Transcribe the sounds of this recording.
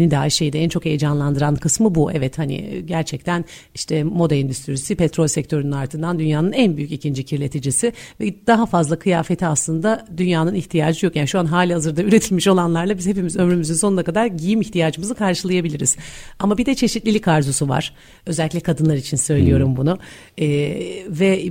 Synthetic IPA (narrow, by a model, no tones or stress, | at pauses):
nid̪aːiʃe̞jid̪ɛænt͡ʃʰo̞kejd͡ʒanlˠand̪ɯɾankʰɯsmɯbuʔɛvɛt̪hanḭɟæɾt͡ʃʰɛc̚t̪ʰæn | iʃt̪ʰɛmo̞d̪aind̪yst̪ʰyɾisipɛt̪ʰɾo̞lʲsɛc̚t̪ʰø̞ɾynynaɾt̪ʰɯnd̪and̪ynjaːnɯnænbyjycicʰind͡ʒicʰiɾlʲet̪ʰid͡ʒisɪvɛd̪̥aɦafazlˠakʰɯjaːfe̞t̪ʰiaslˠɯnd̪ad̪ynjaːnɯniçt̪ʰijaːd͡ʒɯjo̞kjaniʃuanɦaːlʲihazɯɾd̪ayɾe̞t̪ʰilʲmiʃo̞lˠanlˠaɾlˠabizhepimizø̞mɾymyzynso̞nunakad̪aɾɟijimiçt̪ʰijaːd͡ʒɯmɯzɯkʰaɾʃɯlˠajabilʲiɾiz̥amabid̪ɛt͡ʃʰe̞ʃit̪lʲilʲikʰaɾzosuva̰ɾ̥ | ø̞zɛlʲic̬ʲlʲɛkʰad̪ɯnlˠaɾit͡ʃʰinsø̞jlʲijo̞ɾumbunʊ | ɛvɛ